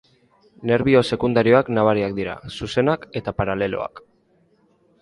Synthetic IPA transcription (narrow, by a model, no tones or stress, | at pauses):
ne̞ɾβio̞se̞kund̪aɾio̞aknaβ̞aɾiak̚d̪iɾa̰suse̞nake̞t̪apaɾale̞lo̞̰a̰k